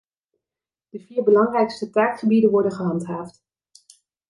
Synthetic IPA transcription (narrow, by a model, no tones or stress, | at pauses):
d̥əviːɹbəlɑŋrɛjkstətaːkχəbidənʋɔɹdənχəɦɑntɦaːft